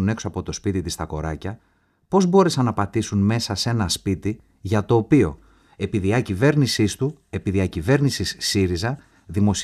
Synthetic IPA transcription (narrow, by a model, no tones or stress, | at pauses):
ne̞ksoɐpo̞t̪o̞spit̪it̪ist̪ɐko̞ɾɐcɐ | po̞zbo̞ɾe̞sɐnɐpɐt̪isunme̞sɐse̞nɐspit̪i | ʝɐt̪o̞ːpio̞ | e̞piðiɐcive̞ɾnisist̪u | e̞piðiɐcive̞ɾnisisːiɾizɐ | ðimo̞s